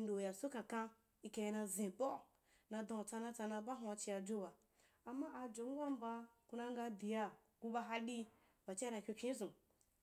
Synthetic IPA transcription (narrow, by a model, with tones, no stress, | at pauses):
ndo˨ja˨so˦kã˨kã˧ | i˧kã˧ja˧na˧zĩ˨bɔ˦˨ | na˧d̪ã˧˨t͡sa˧nã˧t͡sa˧na˧ba˦ɦũ˧a˧t͡ʃi˧a˧d͡ʒo˦ba˨ | a˨mːa˦a˧d͡ʒo˨ŋ˦ɡʷa˦m˦ba˧ku˧na˧ŋ˦ɡa˧di˨ja˧ | ɡ̥u˧ba˧ɦa˧ɗi˦ | ba˨t͡ʃi˦na˧kʲo˧pʲĩ˦zũ˨